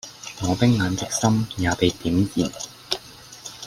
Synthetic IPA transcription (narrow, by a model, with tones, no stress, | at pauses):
ŋɔː˨˧t̪ɪ˥k̚ŋaː˨˧nt̪ɪ˥k̚sɐ˥mjaː˨˧p̪e˨jt̪iː˨˥mjiː˨˩n